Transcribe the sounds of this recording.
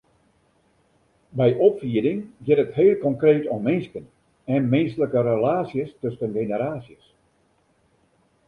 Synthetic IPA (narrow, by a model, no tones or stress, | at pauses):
bɛjʔɔpfiədɪŋɡɪtətheːlˠkɔŋkreːtommɪnskən | ɛnmɪnsələkəɾəlaːsjəstøsənɡenəɾaːsjəs